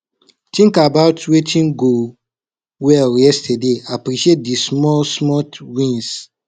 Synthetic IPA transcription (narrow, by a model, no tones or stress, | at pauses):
tĩŋkabaʊtwetʰĩnɡo | wɛljɛstədeapɾiʃiet̚dismɔlsmɔtwĩns